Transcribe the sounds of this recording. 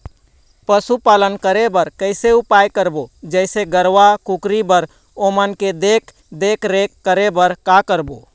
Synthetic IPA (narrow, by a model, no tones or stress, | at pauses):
pəsupalənkəɾebəɾkəɪseupajkəɾbod͡ʒəɪseɡəɾʋakukɾibəɾ | omənked̪ek | d̪ekɾekːəɾebəɾkakəɾbo